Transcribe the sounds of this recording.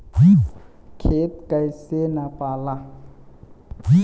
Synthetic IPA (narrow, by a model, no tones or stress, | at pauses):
ɡwi | kʰetkʼaisɛnapʼala | ɡi